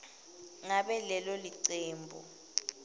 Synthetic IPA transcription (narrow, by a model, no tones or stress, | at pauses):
ŋaɓɛlɛlɔliǀeːmbʱɔ̰